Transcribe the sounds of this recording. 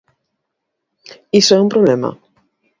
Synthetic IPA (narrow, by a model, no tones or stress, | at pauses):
isoɛũmpɾoβlema̰